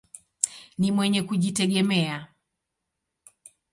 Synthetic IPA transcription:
nimwɛɲɛkuʄitɛɠɛmɛa

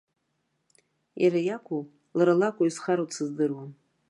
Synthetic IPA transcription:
jaɾajakʷʰʼu | laɾalakʷʼaisχaɾot͡sʰɨzdɨrwan

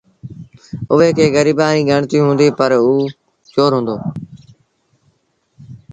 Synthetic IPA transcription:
ʊʋeːkʰeːɣəɾiːbaːniːɡʱəɳt̪iːɦʊ̃ːnd̪iːpəɾuː | t͡ʃoːɾɦʊ̃ːnd̪oː

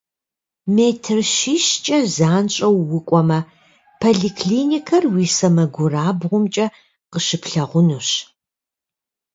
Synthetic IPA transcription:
meːtʰɨrʃiːʃt͡ʃʼɐzaːnɕʼɐwːʊkʷʼɔmɐ | pʰoɮiːkʰliːnikʰɐrwiːsɐmɐɡʷʊraːbʁʷʊmt͡ʃʼɐ | qəʃɨpʰɬɐʁʷʊnuɕ

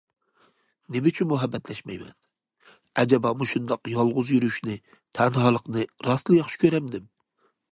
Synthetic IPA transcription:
nɪmɪt͡ʃʰynmuɦɛbːɛt̪ʰlɛʃmɛjmɛ̰n | ɛd͡ʒɛbɑmuʃund̪ɑqjɑlˠʁʊzjyɾyʃnɪ | t̪ʰɛnhɑlˠəqnɨɾɑslˠɨjɑχʃɪ̥kʲʰøɾɛmd̪ɪm

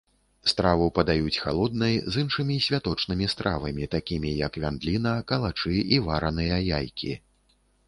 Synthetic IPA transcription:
st̪ɾavɨpɐd̪ajut͡sʲxalˠɔd̪̚nɐjzɨnʂɨmʲisʲvʲat̪ɔt͡ʂnɨmʲist̪ɾʔavɐmʲit̪akʲimʲijɐkvʲand̪lʲin̪ɐkɐlˠat͡ʂɨivaɾɐnɨjɐjajkʲi

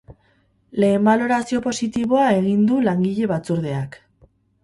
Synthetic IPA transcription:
le̞ːmbalo̞ɾasio̞po̞sit̪iβ̞o̞ae̞ɣ̞ind̪ulaŋɡiʎe̞βat͡suɾð̞e̞ak

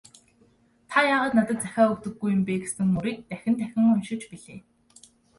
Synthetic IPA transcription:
t̪ʰajaːʁaːt̪nat̪ə̆t̪̚t͡sæxʲaːɵkt̪ɵ̆ɡːujːʊ̆mpeːɡesɘ̆ŋmuɾiːk̚t̪æxʲɪ̆nt̪ʰæxʲɪ̆ŋʊnʃɪ̆t͡ɕpiɮeː

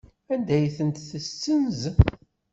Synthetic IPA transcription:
ænd̪æjθənt̪θəst͡sːənz

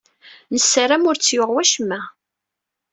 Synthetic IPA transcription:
nəsːaɾæmʊɾt͡sːjʊʁwæʃəmːæ

